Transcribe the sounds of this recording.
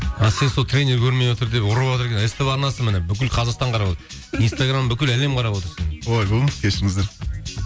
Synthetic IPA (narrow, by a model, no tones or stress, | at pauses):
ɑse̞nsot̪ʰɾʲe̞jnʲːe̞ɾkʲʰɵɾme̞jwo̞t̪əɾd̪epʊɾəwot̪əɾkʲenest̪epɑɾnɑsəmɪnebʏkʲɪlqʰɑzɑqst̪ɑɴqʰɑɾɑpot̪ɾ | inst̪aɡrambʏkʲɪlæle̞mqʰɑɾɑpwo̞t̪əɾsənwolˠɑjbolˠəməskʲʰeʃɪɾɪŋɪzd̪eɾ